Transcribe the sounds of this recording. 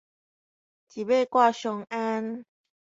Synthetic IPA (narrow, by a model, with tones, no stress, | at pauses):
t͡ɕi˨˩be˥˧kwa˥˧˨ɕɔ˧ŋa˦n